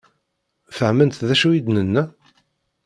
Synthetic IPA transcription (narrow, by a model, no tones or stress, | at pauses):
fəʕmənt̪ðæʃuwid̪nənːæ